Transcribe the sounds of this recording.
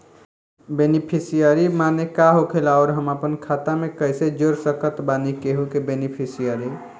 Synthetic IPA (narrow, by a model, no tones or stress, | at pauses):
benipʰisijəɾimanekaɦokʰelɔʊɾɦəmapənkʰat̪amekəjsed͡ʒoɾsəkət̪banikeɦukebenipʰisijəɾi